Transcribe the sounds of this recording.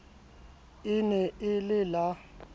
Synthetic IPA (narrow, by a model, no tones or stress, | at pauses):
ɪnɛɪlɪla